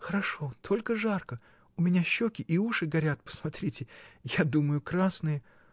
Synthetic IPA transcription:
xəɾɐʂo̞t̪ʰo̞lʲkəʐarkə | ʊmʲɪnʲaɕːokʲɪʔiuʂɨɡɐɾʲat̪̚pə̥smɐt̪ɾʲitʲɪjad̪uməjʊkɾasnɨjə

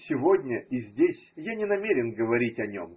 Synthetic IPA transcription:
sʲɪvodʲnʲəizʲdʲesʲjanʲɪnɐmʲeɾʲɪnɡəvɐɾʲitʲɐnʲo̰m

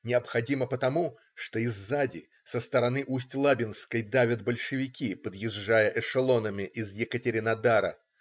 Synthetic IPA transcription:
nʲɪɐpxɐdʲiməpət̪ɐmu | ʂt̪o̞ɪzːadʲɪ̰ | səst̪əɾɐnɨʔusʲtʲlˠabʲɪnskəjd̪avʲəd̪bəlʲʂɨvʲɪkʲipəd̪jɪʐːajəʔɛʂɨlˠo̞nəmʲɪʔɪzjɪkətʲɪɾʲɪnɐd̪aɾə̰

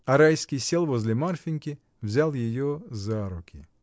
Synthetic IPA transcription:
ɐɾajsʲkʲɪjsʲɛlˠʋɔzʲlʲɛmarfʲinʲkʲɪ | wzʲalˠjejɔzaɾʊkʲɪ

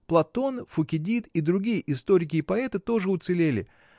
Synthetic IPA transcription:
plˠɐt̪o̞nfʊkʲɪdʲit̪id̪ɾʊɡʲijəʔɪst̪o̞ɾʲɪkʲɪːpɐɛt̪ɨt̪o̞ʐɨʊt̪sɨlʲelʲɪ̰

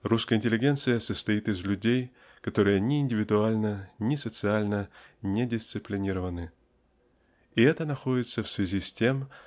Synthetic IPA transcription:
ruskəəɪnʲtʲɪlʲɪɡʲe̞nt̪sɨjəsəst̪ɐit̪ɨzlʲʉdʲej | kɐt̪o̞ɾɨjənʲɪɪnʲdʲɪvʲɪd̪ʊalʲnənʲɪsət̪sɨalʲnənʲɪdʲɪst̪sɨplʲɪnʲiɾəvənɨ | ɪɛt̪ənɐxo̞dʲɪt̪səfsvʲɪzʲisʲtʲe̞m

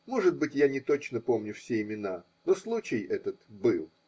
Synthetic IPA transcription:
mo̞ʐɨd̪̚bɨtʲjanʲɪt̪o̞t͡ɕnəpo̞mnʲʊfsʲeɪmʲɪna | noslˠut͡ɕɪjɛt̪ət̪bɨlˠ

